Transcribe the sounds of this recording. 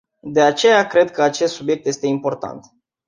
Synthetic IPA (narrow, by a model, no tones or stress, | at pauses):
d̪e̞at͡ʃe̞jakɾe̞d̪̚kəat͡ʃe̞st̪subje̞k̚t̪je̞st̪e̞impo̞rt̪a̰nt̪